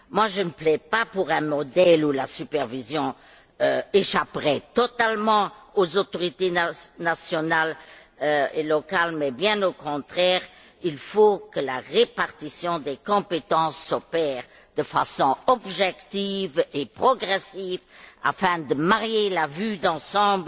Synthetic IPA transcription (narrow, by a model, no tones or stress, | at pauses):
mwaʒənəplɛpapuʁɛ̃mɔd̪ɛlulasypɛʁvizjɔ̃ | øeʃapʁɛt̪ɔt̪almɑ̃ozot̪ɔʁit̪enasjɔnal | øelɔkalmɛbjɛ̃nokɔ̃t̪χɛːʁ | ilfokəlaʁepaʁt̪isjɔ̃d̪ɛkɔ̃pet̪ɑ̃sːɔpɛːʁ | d̪̥əfa̰sɔ̃ɔbʒɛkt̪ivepχɔɡʁɛsiva̰fɛ̃d̪əmaʁjelavyd̪ɑ̃sɑ̃bl